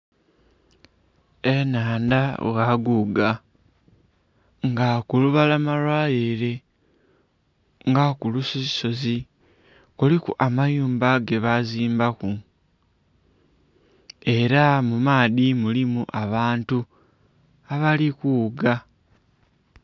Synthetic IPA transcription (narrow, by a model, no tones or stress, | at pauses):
e̞naːndaɣwaɡuɡa | ŋɡakuluβalamalwaːliɾe̞ | ŋɡakulusisi̥so̞zi | kulikuʔamajuːmbaɡe̞βaziːmbaku | e̞ɾamumaːðimulimuʔaβaːntu | aβalikuːɡa